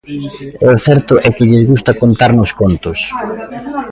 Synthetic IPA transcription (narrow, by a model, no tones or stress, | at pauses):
eθɛɾt̪ʊʔɛkɪʎɪzɣust̪ɐkont̪aɾnʊskont̪ʊs